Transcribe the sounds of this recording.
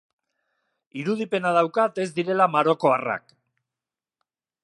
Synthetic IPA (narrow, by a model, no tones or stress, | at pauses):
iɾuð̞ipe̞nað̞awkat̪e̞zd̪iɾe̞lamaɾo̞ko̞ara̰k